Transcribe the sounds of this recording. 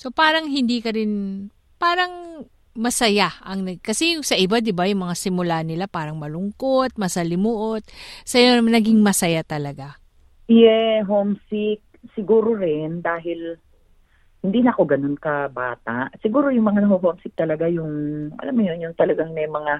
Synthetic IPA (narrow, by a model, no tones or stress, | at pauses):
so̞paːɾɐŋɦɪnd̪ikɐɾɪn | paːɾɐŋ | mɐsɐjaʔɐŋnɐkɐsɛjʊŋsɐʔɪbad̪ɪbajʊŋmɐŋasɪmʊlanɪlapaːɾɐŋmɐlʊŋkot̪̚mɐsɐlɪmuʔot̪̚sɐjanɐɡiŋmɐsɐjat̪ɐlɐɡa | jɛɦomsɪk̚sɪɡuːɾoɾɪnd̪aːɦɪl | hɪnd̪iːnɐʔɐko̞ɡɐno̞nkɐba̰ːt̪aʔsɪɡuːɾo̞jʊŋmɐŋanɐɦoɦomsɪk̚t̪ɐlɐɡajʊŋʔɐ̰lʔamːʊɲonjʊŋt̪ɐlɐɡaŋmɛmɐŋa